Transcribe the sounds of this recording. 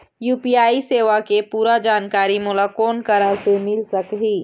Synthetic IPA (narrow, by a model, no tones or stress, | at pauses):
juːpiːaːiseːʋakepuːɾad͡ʒaːnkaːɾimʊlakɔːnkəɾasemɪlsɐkɦiː